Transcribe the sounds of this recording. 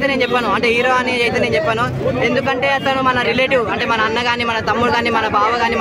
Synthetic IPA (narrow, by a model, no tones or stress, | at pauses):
t̪ɐneːnt͡ʃɛpːɐnuɐɳʈeːɦiːɾoaːnijɐd͡ʒɐjt̪̬ɐneːnt͡ʃɛpːɐnu | e̞nd̪ukɐɳʈe̞ːɐt̪ːɐnumɐnɐɾileʈiʋɐɳʈe̞ːmɐnɐːnːɐɡaːniːmɐnɐt̪ɐmːuɽuɡaːniːmɐnɐbaːʋɐɡaːniːm